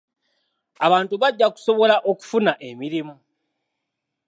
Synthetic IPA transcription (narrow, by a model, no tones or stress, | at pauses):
aβaːntuβaɟːaku̥so̞βo̞laʔo̞ku̥funaʔe̞miɾimu